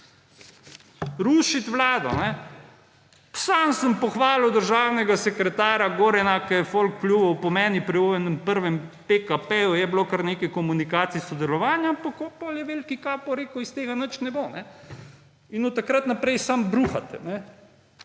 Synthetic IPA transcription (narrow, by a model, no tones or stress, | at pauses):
ɾuːʃit̪ʋlaːd̪ɔ̰nɛ | sansəmpɔxʋaːliwd̪əɾʒaːwnɛɡasɛkɾɛt̪aːɾaɡoɾɛnakɐjɛfolkpljubɐwpɔmɛːnipɾiojɛnəmpəɾʋɛmpekapejujɛblokəɾneːkɛkɔmunikaːt̪sisɔd̪ɛlɔʋaːnjampakɔpɔljɛʋelkikaːpɔɾeːkuist̪eːɡanət͡ʃnɛbonɛ | inɔt̪akɾat̪napɾɛjsambɾuːxat̪ɛ̰nɛ